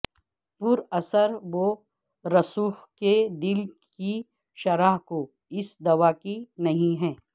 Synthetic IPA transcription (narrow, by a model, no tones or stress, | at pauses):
pʊɾɐsəɾʋo | ɾɐsuːxked̪ɪl | ki | ʃɐɾaːɦko | ɪsd̪ɐʋakinɐɦĩɦɛ̃ː